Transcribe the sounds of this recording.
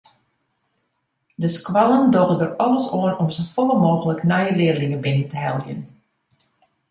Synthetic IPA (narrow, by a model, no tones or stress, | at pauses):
dəskwaləndɔɣədərɔləsoənɔmsofɔləmoːɣələknɛjəlɪərlɪŋəbɪnəntəɦɛlˠjə̰n